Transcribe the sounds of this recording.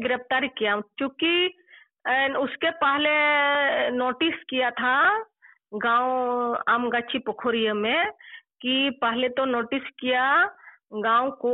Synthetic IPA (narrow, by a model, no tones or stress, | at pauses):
ɡɪɾəpt̪aːɾikijat͡ʃjõːki | ʊskepaɦle | noːʈɪskijat̪ʰa | ɡãːwoaːmɡat͡ʃʰipəkʰoɾijəmẽkipaɦlet̪onoːʈɪskija | ɡãːwoko